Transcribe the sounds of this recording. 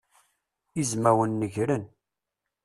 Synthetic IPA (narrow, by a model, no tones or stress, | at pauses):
izmæwənːəʝɾən